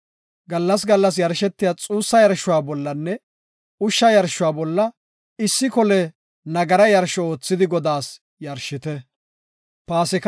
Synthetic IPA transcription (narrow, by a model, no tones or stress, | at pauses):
ɡɐlːɐs̬ɡɐlːɐs̬jɐɾʃɛt̪ːɪjat͡sʼuːsːɐjɐɾʃʊwaːbɔlːɐnːɛ | ʊʃːɐjɐɾʃːʊwaːbɔlːɐ | ɪsːɪkɔlɛ | nɐɡɐɾɐjɐɾʃɔoːt͡sːɪd̪ɪɡɔd̪aːs | jɐɾʃɪt̪ɛ | paːsɪk